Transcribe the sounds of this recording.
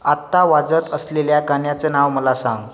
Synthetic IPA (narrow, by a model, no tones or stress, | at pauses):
at̪ːaʋad͡zət̪əsleljakaɳjat͡senawməlasãŋɡ